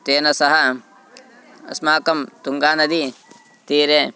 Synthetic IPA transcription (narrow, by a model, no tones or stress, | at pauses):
t̪eːnɐsɐɦɐ | ɐ̰smaːkɐmt̪uŋɡaːnɐd̪i | t̪iːɾeː